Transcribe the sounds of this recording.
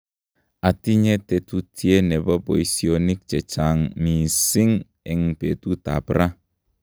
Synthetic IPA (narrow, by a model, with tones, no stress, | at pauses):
a˨ti˦ɲɛ˦te˨tu˦tʰi˦e˦nɛ˨ba˦bo˨i˦si˨o˨ni˦k̚t͡ʃɛ˨t͡ʃa˨ŋmi˨si˦ŋ | ɛ˨ŋpe˨tu˦ta̰˨bɾʔa˦